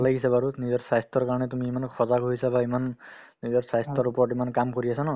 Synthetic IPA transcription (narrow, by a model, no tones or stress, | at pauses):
laɡisabaɾunizɔɹsast̪ɔɹkaɹɔnɛt̪umiemankʰɔzaɡoɦisabaeman | nizɔɾsast̪ɔɾupɔʈimankamkɔɾiasʰanɔ